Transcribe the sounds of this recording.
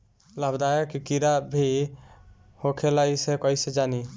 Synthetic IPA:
ləbd̪ajekikiɾabʱi | hokʰelaisekɔised͡ʒaːni

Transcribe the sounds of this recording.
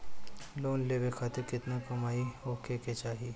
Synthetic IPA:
loːnleːʋekʰaːt̪ɪɾkɪt̪nakɐmaːioːkʰeket͡ʃaːɦi

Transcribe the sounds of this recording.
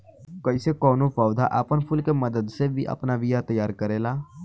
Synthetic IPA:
kəɪsekɔːnopaːʊd̪ʱaʔəpənpʰʊlkeməd̪əd̪sebʱiʔɐ̰pnaʋijat̪əjaːɾkəɾeːlaː

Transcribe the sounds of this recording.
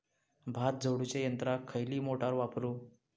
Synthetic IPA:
bʱat̪̚d͡zəwɽut͡ɕejənt̪ɾakʰːəjliːmoʈaɾʋapɾuː

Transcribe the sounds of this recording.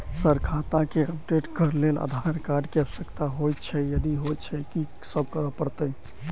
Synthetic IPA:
səɾkʰat̪akeəp̚ɖeʈkəɾlela̰d̪ʱaɾkaɾɖkeəbsəkt̪aɦojt͡ʃʰɛjəd̪iɦojt͡ʃʰɛki | səb̚ʱkəɾəpəɾt̪əj

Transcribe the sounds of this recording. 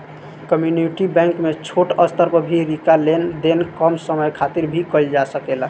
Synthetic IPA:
kəmjuniʈibɛ̃ŋkmet͡ʃʰoʈəst̪əɾpəbʱiɾikalend̪enkəmsəməjkʰat̪iɾbʱikəjld͡ʒasəkela

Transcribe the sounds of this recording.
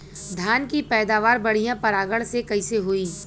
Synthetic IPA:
d̪ʱjaːnkipɛːd̪aːʋaːɾbɐɽ̤ijãpɐɾaːɡəɭsekɐiseɦoiː

